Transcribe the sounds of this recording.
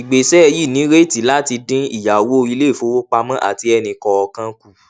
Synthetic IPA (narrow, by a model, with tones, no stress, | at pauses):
i˨ɡ͡be˨sɛ˦˧ji˦˨nĩ˨˦ɾe˦˨ti˨˦la˦ti˧dĩ˦i˦˨ja˨wo˨˦˧i˧le˦˨fo˧˦wo˦k͡pa˧mã˦ʔa̰˦˨ti˧˦ɛ˧nĩ˧kɔ˧ɔ˧kã˧ku˦˨